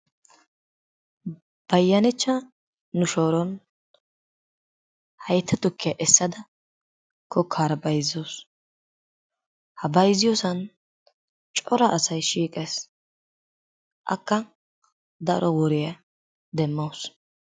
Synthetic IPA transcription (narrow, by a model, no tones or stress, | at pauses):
b̥ɐjːɐnɪt͡ʃːɐ | nʊʃo̞ːɾɔn | hɐjt̪ʰːɐt̪ʊkːɪjɐʔɛsːɐd̪ɐ | kʰɔkʰːaːɾɐbɐjzːoːs | hɐbɐjzːɪjɔːsɐn | t͡ʃʼɔɾɐʔɐsɐjʃiːkʼeːs | ʔɐ̰kːɐ | d̪ɐɾʔɔwɔɾɪjɐ | d̪ɛmːoːs